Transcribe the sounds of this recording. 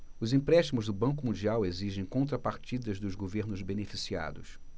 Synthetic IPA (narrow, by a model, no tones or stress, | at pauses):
ʊzĩpɾɛʃt͡ʃimʊzd̪ʊbɐ̃ŋk̬ʊmũnd͡ʒiaweziʒẽj̃kõnt̪ɾɐpaɾt͡ʃid̪ɐzd̪ʊzɡoveɾnʊzbenefisia̰d̪ʊs